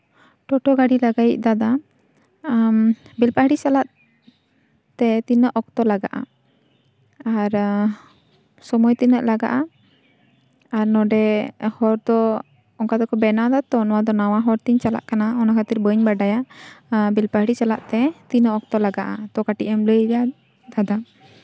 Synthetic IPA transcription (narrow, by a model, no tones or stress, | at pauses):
ʈɔʈɔɡaɖilaɡajiʔ̚d̪ad̪a | bilpaɽit͡ʃalaʔ | t̪ɛt̪inəʔɔk̚t̪ɔlaɡa̰ʔa̰ | aɾ | sɔmɔjt̪inəʔlaɡa̰ʔa | aɾnɔɖɛhɔɾd̪ɔ | ɔŋkad̪ɔkɔbɛnad̪at̪ɔnɔwad̪ɔnawaɦɔɾt̪iɲt͡ʃala̰ʔkanaɔnakʰat̪iɾbəɲbaɖaja | bilpaɦɽit͡ʃalaʔt̪ɛt̪inəɔk̚t̪ɔlaɡaʔat̪ɔkaʈiʔɛmləjɾa | d̪ʱad̪a